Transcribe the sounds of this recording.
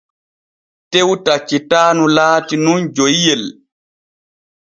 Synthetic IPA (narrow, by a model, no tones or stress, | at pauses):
tewtat͡ʃːitaːnulaːtinund͡ʒojjɛl